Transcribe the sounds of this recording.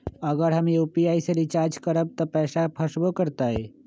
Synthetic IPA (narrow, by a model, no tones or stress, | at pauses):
əɡəɾɦəmjuːpiaːiseɾɪt͡ʃaːɾd͡ʒkəɾəb̚t̪opɛːsapʰɐʃbokəɾt̪aɦɛː